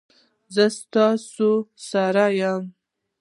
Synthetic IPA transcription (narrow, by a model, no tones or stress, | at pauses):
zəst̪ɑsosaɾajam